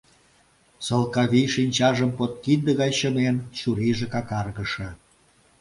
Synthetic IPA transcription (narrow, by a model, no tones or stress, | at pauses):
səlkɑβiʃinʲt͡ɕɑʒəmpot̪̚kid̪ə̆ɣɑjɕəment͡ɕuɾiʒĕkɑkɑrɣə̆ʃə̆